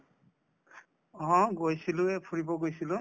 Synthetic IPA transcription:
ɦɔ̃ɡojsilʊ̃ɛpʰuɹibɔɡojsilʊ̃

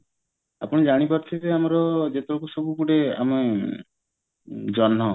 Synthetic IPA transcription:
apɔɽ̃ed͡ʒaɽ̃ipaɾt̪ʰibeamɔɾɔd͡ʒet̪ɔɾokusobukuɽea̰mɔe | d͡ʒɔnːɔ

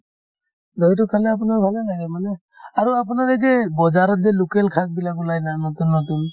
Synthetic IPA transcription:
dɔjt̬ɔkʰanaap̬unaɹbʱalalaɡɛmanɛ | aɹuap̬unaɹɛɡɛbɔzaɾɔt̚dɛlukɛlkʰak̚bilakulajnanɔtunːɔt̬un

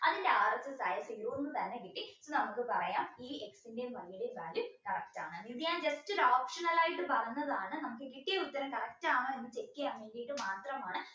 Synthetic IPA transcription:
ɐðindeaːrɐt͡ɕːɐsaːjɐseɾuʋonːut̪ɐnːekiʈːisonɐmukːɨpɐrɐjaːniːeksindeʋɐɭijiɽebaːlukɐrɐk̚ta̰ːɳɨmid̪ijaːnd͡ʑɐstoɾoːpʂɐnɐlaːjiʈːɨpɐrɐjnːɐðaːɳɨnɐmukːɨkiʈːijeut̪ːɐɾɐmkɐrɐk̚taːmɐenːɐt͡ɕekːijamːeːŋɡijiʈːɨmaːt̪rɐmaːɳɨ

